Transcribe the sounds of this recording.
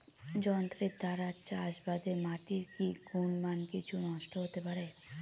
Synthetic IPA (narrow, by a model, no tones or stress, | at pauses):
d͡ʑɔnt̪ɾid̪aɾaɾt͡ɕaʃbad̪emaʈiɾkiɡʱunmankit͡ɕʰunɔʃʈʰoɦot̪epaɾe